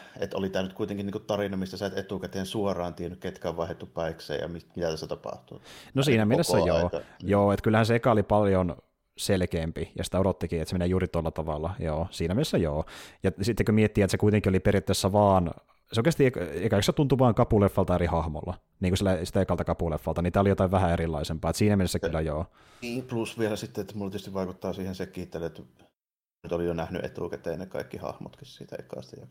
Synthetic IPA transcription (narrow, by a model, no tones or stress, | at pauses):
ḛt̪o̰lit̪æːnyt̪kuit̪eŋkiniːŋkutt̪ɑrinɑmist̪æsɑit̪et̪ukæt̪eːnsuorˑɑːnt̪ienykket̪kæʋʋɑˑehet̪ːupɑiksḛːjɑ̰mimit̪æt̪æsæt̪ɑpɑ̰ht̪unosiːnæmielesːæjoːjoːet̪kylːæhænseekæolipɑljon | selkeːmpijɑ̰si̥t̪æoɾot̪ːikiːet̪semeneːjuːrit̪olːɑt̪ɑʋɑlːɑjoːsiːnæmielesːæjoːjɑsit̪ːekømiet̪ːiet̪sekuit̪eŋkioliperjɑt̪ːesːæʋɑːn | seoˑikest̪iekekæˑkset̪unt̪uʋɑːŋkɑpulefːɑlt̪ɑerihɑhmo̰lːɑ | niːŋkusilːæsi̥t̪æokːɑlt̪ɑkɑpulefːɑlt̪ɑnit̪æːolijot̪ɑiʋʋæhæeɾilːˑɑisempɑːet̪siːnæmenesːækylːæjoː | iːplusʋielæsit̪ːeet̪ːmulːt̪yest̪iʋʋɑˑikut̪ːɑːsiːhensekːiːt̪ːæleet̪ː | nyt̪olijjonæhny̰ʔḛt̪ṵːkæt̪ːˑeˑinːekɑ̰ikːihɑ̰hmo̰t̪kissḭːt̪æ̰ḭkːˑɑ̰ːst̪ijjɑ